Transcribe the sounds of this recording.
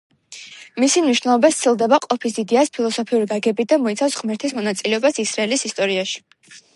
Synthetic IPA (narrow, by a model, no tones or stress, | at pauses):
misimniʃwnɛlˠɔbast̪sʰilˠd̪ɛbaqʼɔpʰisid̪ɛaspʰilˠɔsɔpʰiuɾiɡaɡɛbid̪amɔit̪sʰafsʁmɛɾt̪ʰismɔnat̪sʼilɛɔbasisɾaɛlisist̪ʼɔɾiaʃi̥